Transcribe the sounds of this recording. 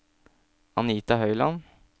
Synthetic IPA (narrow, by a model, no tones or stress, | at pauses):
ɑniːt̪ɑhœʏlɑn